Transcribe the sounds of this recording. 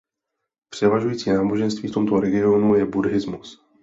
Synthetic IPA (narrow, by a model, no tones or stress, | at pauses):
pr̥ɛvaʒujiːt͡siːnaːbo̞ʒɛnst̪viːft̪omt̪o̞ɾɛɡɪo̞nujɛbudɦɪzmus